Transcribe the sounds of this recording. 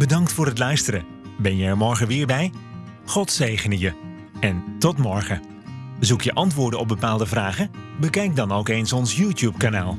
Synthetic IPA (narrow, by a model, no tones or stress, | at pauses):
bədɑŋktfʊːrətlœɥstəɾə | bɛnjəɛɹmɔɹχənʋɪːɹbɛj | χɔtsejχənəjə | ɛntɔtmɔɹχə | zukjəʔɑntʋʊːɹdənɔb̚bəpaːlˠdəvraːχəbəkɛjk̚dɑnowkensɔnsjuːtjup̚kanaːlˠ